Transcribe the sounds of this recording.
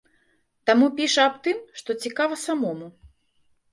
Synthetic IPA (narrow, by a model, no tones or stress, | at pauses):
t̪amupʲiʂɐapt̪ɨmʂt̪ɔt͡sʲikavɐsamɔmu